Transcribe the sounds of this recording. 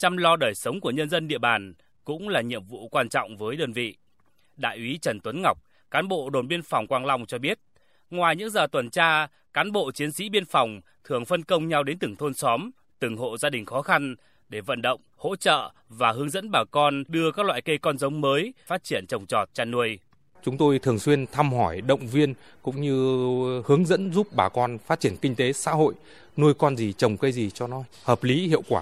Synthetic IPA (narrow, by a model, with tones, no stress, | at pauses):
t͡ɕa˧mlɔ˧ɗəː˨˩jsə˨˦wŋ͡mku˧˩əɲə˧nzə˧nɗḭ˧əɓaː˨˩n | kʊ̰˧˥ŋ͡mlaː˨˩ɲḭ˧˨əmvṵ˧˨kwaː˧nt͡ɕɔ̰˧˨wŋ͡mvəː˨˦jɗəː˧nvḭ˧˨ | ɗa̰ː˧˨jʔi˨˦t͡ɕə˨˩nt̪wə˨˦nŋa˨˩wk͡p̚ | kaː˨˦nɓo̰˧˨ɗo˨˩nɓi˧ənfwŋ͡mkwaː˧ŋla˧wŋ͡mt͡ɕɔ˧ɓi˦˥ət̚ | ŋwaː˨˩jɲɨ̰˧˥ŋzəː˨˩t̪wə˨˩nt͡ɕaː˧ | kaː˨˦nɓo̰˧˨t͡ɕi˨˦ənsḭ˧˥ɓi˧ənfɔ˨˩wŋ͡m | t̪ʰɨ˧˩əŋfə˧nkə˧wŋ͡mɲa˧wɗe˨˦nt̪ɨ˨˩ŋt̪ʰo˧nsɔ˨˦m | t̪ɨ˨˩ŋɦo̰˧˨zaː˧ɗï˨˩ŋ̟xɔ˨˦xa˧n | ɗe˧˩və̰˧˨nɗə̰˧˨wŋ͡mho̰˧˥t͡ɕə̰ː˧˨ | vaː˨˩ɦɨ˨˦əŋzə̰˧˥nɓaː˨˩kɔ˧nɗɨ˧əkaː˦˥k̚lwa̰ː˧˨jkə˧jkɔ˧nzə˨˦wŋ͡mməː˨˦jfaː˦˥t̚t͡ɕi˧˩ənt͡ɕə˨˩wŋ͡mt͡ɕɔ˨˩t̚t͡ɕaː˧nu˧əj | t͡ɕʊ˨˦ŋ͡mt̪o˧jt̪ʰɨ˨˩əŋswi˧ənt̪ʰa˧mhɔ˧˩jɗə̰˧˨wŋ͡mvi˧ən | kʊ̰˧˥ŋ͡mɲɨ˧hɨ˨˦əŋzə̰˧˥nzu˦˥p̚ɓaː˨˩kɔ˧nfaː˦˥t̚t͡ɕi˧˩ənkï˧ŋ̟t̪e˨˦sa̰ː˧˥ɦo̰˧˨j | nu˧əjkɔ˧nzi˨˩t͡ɕə˨˩wŋ͡mkə˧jzi˨˩t͡ɕɔ˧nɔ˨˦həː˨˩p̚li˨˦hḭ˧˨əwkwaː˧˩